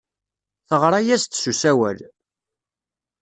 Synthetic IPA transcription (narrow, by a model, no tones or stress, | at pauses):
θəʁɾˤajæst̪susæwæ̰l